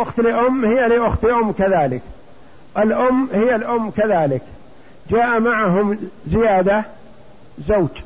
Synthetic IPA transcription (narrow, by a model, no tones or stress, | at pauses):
ʔʊxt̪lʔʊmːhɪjːaliʔʊxt̪lʔʊmːkaðaːlɪk | ʔɪlʔʊmːhɪjːalʔʊmːkaðaːlɪk | d͡ʒaːʔamaʕaɦʊmzɪjaːd̪a | zowd͡ʒ